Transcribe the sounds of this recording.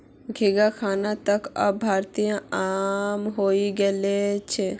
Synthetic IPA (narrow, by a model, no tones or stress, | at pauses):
ɡʱiɡakʰanat̪əkə̰bbʱaɾt̪ijãamɦoiɡelet͡ʃʰɛ